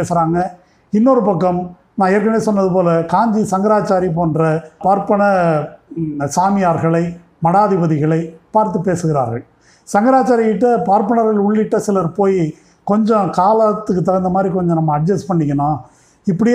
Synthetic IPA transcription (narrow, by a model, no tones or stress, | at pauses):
eːsɾaːŋɡɐ | ɪnːɔɾɯpɐkːɐm | nãːeːɾkːɐneːsɔnːɐðɯp̬oːlɐkaːɲd͡ʒisɐŋɡɐɾaːt͡ʃaːɾip̬oːndɾɐpaːɾpɐɳɐ | saːmɪjaːɾɣɐɭɐɪ | mɐɽaːðɪbɐðɪɣɐɭɐɪpaːɾt̪ːɯpeːsɯɣɪɾa̰ːɾɣɐɭ | sɐŋɡɐɾaːt͡ʃaːɾɪkɪʈːɐpaːɾpɐɳɐɾɣɐɭʊɭːɪʈːɐsɪlɐɾpoːj | kɔɲd͡ʒɔ̃kaːlɐt̪ːɯkːɯt̪ɐɾɐnd̪ɐmaːd̪ɾikɔɲd͡ʒɔ̃nɐmːɐɐɖ̚d͡ʒɐspɐɳːɪŋːɐnãː | ɪpːɐɽɪj